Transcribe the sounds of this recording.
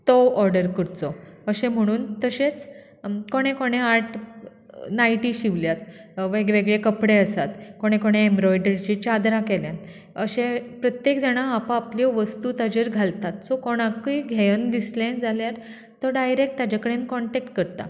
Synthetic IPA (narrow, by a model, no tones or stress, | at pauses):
t̪ɔwɔɾɖəɾkəɾt͡sɔəɕẽm̤əɽ̃uːnt̪əɕet͡s | koɽ̃ekoɽ̃eaɾʈ | najʈiɕiʋljat̪ʋeɡʋeɡɭekəpɽeəsat̪koɽ̃ekoɽ̃eembɾɔjɖəɾt͡ɕit͡ɕad̪ɾãkɛljãn | əɕẽpɾət̪jekd͡zɛɽ̃aːpãːpljɔʋəst̪ut̪ad͡ʑeɾɡʱalt̪at̪sɔkoɽ̃ãkijɡʱɛjənd̪islẽd͡zaljaɾ | t̪əɖajɾek̚ʈ̚t̪ad͡ʑakəɽenkɔɳʈek̚ʈkəɾt̪a̰